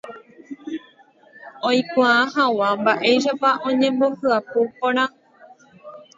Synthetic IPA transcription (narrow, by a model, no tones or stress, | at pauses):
õjkʷããhawambaʔe̞jʃ̬apaʔõ̞ɲẽ̞mbo̞hɨapopõɾ̃ã